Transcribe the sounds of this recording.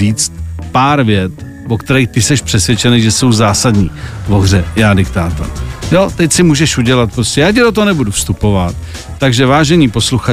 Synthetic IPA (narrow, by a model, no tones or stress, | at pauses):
iːt͡st̪̚paːɾvjɛt̪ | vokt̪ɛɾɛjxt̪ɪsɛʃpr̥ɛsvjɛt͡ʃɛnejʒɛso̞wzaːsadɲiːvoɣrɛjaːdɪkt̪aːt̪a̰jo̞t̪ɛcsɪmuːʒɛʃuɟɛlat̪̚pɾo̞scʲɛjaːc̬ɪdot̪oɦonɛbudufst̪upo̞vat̪ː | aɡʒɛvaːʒɛɲiːpo̞sluxa